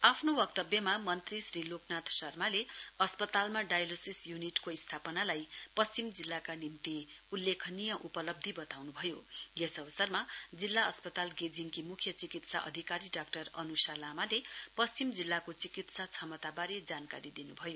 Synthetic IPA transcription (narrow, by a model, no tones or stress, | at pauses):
apʰnowʌkt̪ʌbjʌmamʌnt̪risriloknat̪sʌrmaleʌspʌt̪almaɖajlosisjuniʈkoist̪ʰapʌnalajpʌst͡simd͡zilːakanimt̪iulːekʰnijʌʔupʌlʌb̚d̪ʱibʌt̪awnubʱʌjojesʌbʌsʌrmad͡zilːaʌspʌt̪alɡed͡ziŋkimukʰjʌt͡sikit̪sa̰ʔʌ̰d̪ʱikaɾiɖakʈʌrʌnusalamalepʌst͡simd͡zilːakot͡sikit̪sat͡sʰʌmʌt̪abaɾed͡zankaɾid̪inubʱʌjo